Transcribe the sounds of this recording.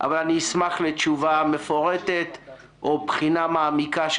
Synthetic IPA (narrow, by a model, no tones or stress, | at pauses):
ʔa̰valaniismaχlet͡ʃuvame̞foʁet̪et̪ | ʔopχinamaːmikaʃ